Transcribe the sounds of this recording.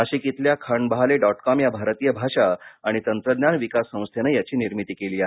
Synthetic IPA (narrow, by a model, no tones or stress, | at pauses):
əɕikit̪ljakʰəɳbəɦaleɖɔʈkɔmjabʱaɾət̪ijəbʱaʂaaɽ̃it̪ənt̪ɾəd̪njanʋikasːə̃w̃st̪ʰjenəjat͡ɕiːniɾmit̪iːkeliːa